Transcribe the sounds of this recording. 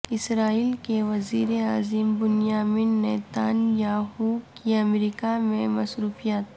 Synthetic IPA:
ɪsɾaːiːlkeʋɐziːɾeaːzɪmbʊnijaːminːɛːt̪aːnjaːɦukiɐmɾiːkamẽmɐsɾuːfijat̪

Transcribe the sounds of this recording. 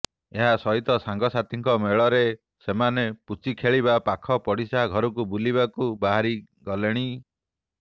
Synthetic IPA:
eɦasɔɦit̪ɔsaŋɡɔsat̪iŋkɔmeɭɔɾe | semaneput͡ʃikʰeɭibapakʰɔpɔɽisaɡʱɔɾɔk̬ubulibakubaɦaɾiɡɔleɽ̃i

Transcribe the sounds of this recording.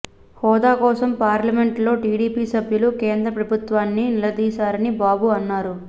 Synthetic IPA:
hɔːd̪aːkɔːsɐmpaːɾlɐme̞ɳʈlo̞ːʈiːɽiːpiːsɐbʱjɐlukeːnd̪ɾɐpɾɐbʱut̪ʋaːnːinilɐd̪iːsaːɾɐnibaːbuɐnːaːɾu

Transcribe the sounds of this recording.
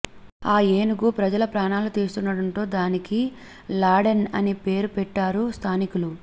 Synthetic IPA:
aːjeːnuɡupɾɐd͡ʒɐlɐpɾaːɳaːlut̪iːst̪unːɐɽɐnʈ̪o̞ːd̪aːniki | laːɽɐnɐ̰nipe̞ːɾupɛʈːaːɾust̪ʰaːnikulu

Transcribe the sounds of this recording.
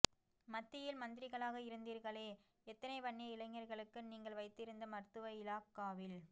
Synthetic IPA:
mɐt̪ːɪjɪlmɐnd̪ɪɾɪɣɐɭaːɣɐɪɾɯnd̪iːɾɣɐɭeː | ɛt̪ːɐnɐɪpɐɳːiɐɪlɐɪŋːɐɾɣɐɭɯkːɯniːŋɡɐɭʋɐɪt̪ːɪɾɯnd̪ɐmɐɾt̪ɯʋɐɪlaːkːaːʋɪl

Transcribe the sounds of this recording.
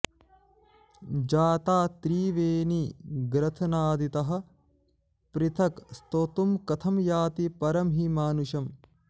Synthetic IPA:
d͡ʒaːt̪aːt̪ɾiːʋeːniɡɾɐt̪ʰɐnaːd̪it̪ɐɦɐ̆ | pɾit̪ʰɐkst̪ot̪umkɐt̪ʰɐmjaːt̪ipɐɾɐmɦimaːnuʃɐm

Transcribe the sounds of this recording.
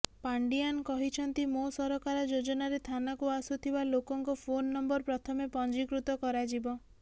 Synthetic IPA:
paɳɖiankɔɦit͡ʃʰɔnt̪imosɔɾɔkaɾɔd͡ʒod͡ʒɔnaɾet̪ʰanakuasut̪ʰibalokɔŋkɔpʰonːɔmbɔɾpɾɔt̪ʰɔmepɔnd͡ʒikɾut̪ɔkɔɾad͡ʒibɔ

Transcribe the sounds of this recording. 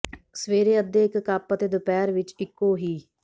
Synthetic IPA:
səʋeːɾeːəd̪ːeːɪkːaːpət̪eːd̪ʊpɛːɾʋɪt͡ʃɪkːoːɦiː

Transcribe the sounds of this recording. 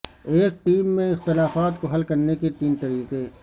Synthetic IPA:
eːk̚ʈiːmːẽɪxt̪ɪlaːfaːt̪koɦɐlkɐɾneket̪iːnt̪ɐɾiːqe

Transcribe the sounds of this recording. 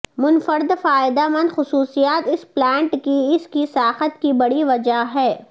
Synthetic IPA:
mʊnfəɾɪd̪faːɪd̪amɐ̃nd̪xʊsuːsijaːt̪ɪsplɛ̃ːɳʈkiɪskisaːxət̪kibɐɽiʋɐd͡ʒaɦɛː

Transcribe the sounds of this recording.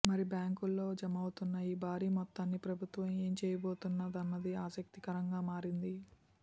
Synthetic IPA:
mɐɾibjaːŋkulːo̞ːd͡ʒɐmɐwut̪unːɐiːbaːɾiːmɔt̪ːaːnːipɾɐbʱut̪ʋɐmeːmt͡ʃɛːjɐboːt̪unːad̪ɐnːɐd̪iaːsɐk̚t̪ikɐɾɐŋɡaːmaːɾind̪i

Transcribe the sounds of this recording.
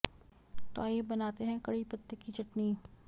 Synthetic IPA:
t̪oaːjebɐnaːt̪eɦɛ̃kɐɽipɐt̪ːekit͡ʃɐʈni

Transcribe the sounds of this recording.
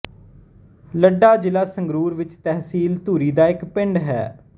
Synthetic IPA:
ləɖaːd͡ʒɪlaːsəŋɡɾuːɾʋɪt͡ʃt̪ɛɦsiːlt̪uːɾiːd̪aːɪkpɪɳɖɦɛ̰ː

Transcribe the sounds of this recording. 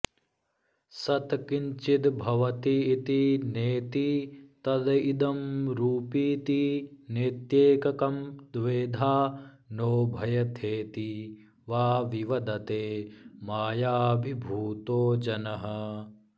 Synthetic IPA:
sɐt̪kiɲt͡ʃid̪bʱɐʋɐt̪iːt̪ineːt̪it̪ɐd̪id̪ɐmɾuːpiːt̪inet̪jeːkɐkɐmd̪ʋeːd̪ʱaː | noːbʱɐjɐt̪ʰeːt̪i | ʋaːʋiʋɐd̪ɐt̪eːmaːjaːbʱibʱuːt̪oːd͡ʒɐnɐɦɐ

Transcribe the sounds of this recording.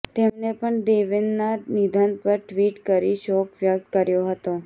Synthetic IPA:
t̪emnepəɳɖeʋenːanid̪ʱanpəɾʈʋiʈkəɾiʃɔkʋjək̚t̪kəɾjoɦət̪o

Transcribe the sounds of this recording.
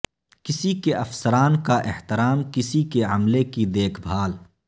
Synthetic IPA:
kɪsikeʔɐfsəɾaːnkaʔɪ̰ht̪ɪɾaːmkɪsikeɐmlekid̪eːkʰbʱaːl

